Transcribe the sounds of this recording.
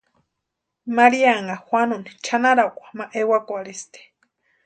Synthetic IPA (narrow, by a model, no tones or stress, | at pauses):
maɾiaŋaxwanuni̥t͡ʃʰanaɾakʷḁmaʔewakʷaɾist̪e̥